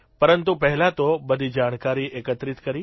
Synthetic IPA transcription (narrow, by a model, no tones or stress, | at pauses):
pɐɾə̃nt̪upɐɦɪlat̪oɓɐd̪ʱid͡ʑaːɽ̃kaːɾiʔeːkət̪ɾɪt̪kɐɾiː